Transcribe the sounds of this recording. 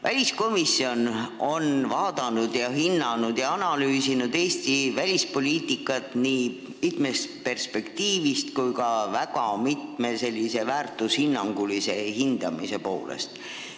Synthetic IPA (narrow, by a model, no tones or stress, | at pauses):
vælʲisko̞misːio̞no̞nvɑːd̪̥ɑnud̪̥jɑɦinːɑnud̪̥jɑɑnɑlyːsinud̪̥e̞ːst̪ivælʲispo̞lʲiːt̪ːˑikːˑɑt̪niː | mit̪me̞st̪pe̞rspe̞kt̪iːvist̪kujkɑvækɑmit̪me̞se̞lʲːise̞væːrt̪ːˑushinːɑŋɡ̥ulise̞hind̪̥ɑ̰mise̞po̞̰ːlḛst̪